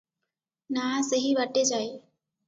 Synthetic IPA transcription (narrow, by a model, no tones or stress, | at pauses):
naːseɦiʋaʈːed͡ʒaːe